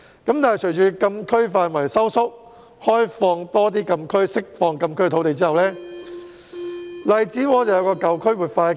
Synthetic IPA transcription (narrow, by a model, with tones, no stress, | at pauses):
kɐ˨˥mt̪aː˨nɐ˨jt͡ʃʰɵ˨˩ɥt͡ʃʰyː˨˧kɐ˧mkʰɵ˥ɥfaː˧nwɐ˨˩jsɐ˥wsʊ˥k̚ | hɔː˥jfɔː˧ŋt̪ɔː˥t̪̬iː˥kɐ˧mkʰɵ˥ɥsɪ˥k̚fɔː˧ŋkɐ˧mkʰɵ˥ɥt̪ʰo˨˥wt̪e˨jt͡siː˥hɐ˨wlɛː˥ | lɐ˨˩jt͡siː˨˥wɔː˨˧˥t͡sɐ˨wjɐ˧wkɔː˧kɐ˨wkʰɵ˥ɥwuː˨t̚faː˧